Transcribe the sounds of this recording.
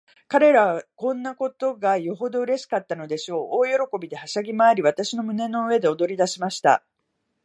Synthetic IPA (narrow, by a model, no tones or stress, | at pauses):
kaɾe̞ɾaβkõ̞nːako̞t̪o̞ɡajo̞ɦo̞d̪o̞ɯ̟ɾe̞ɕi̥kat̪ːano̞d̪e̞ɕo̞ːʔoːjo̞ɾo̞ko̞bʲid̪e̞haɕaɡʲimaːɾʲiβ̞at̪aɕino̞mɯ̟ne̞no̞ɯ̟e̞d̪e̞o̞d̪o̞ɾʲid̪aɕimaɕi̥t̪a̰